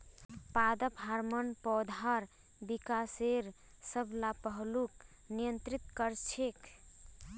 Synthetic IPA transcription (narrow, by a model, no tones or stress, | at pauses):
pad̪əpɦaɾmənpɔd̪ʱaɾ | bikaseɾ | səbʱlapəɦluk | nijənt̪ɾit̪kəɾt͡ʃʰek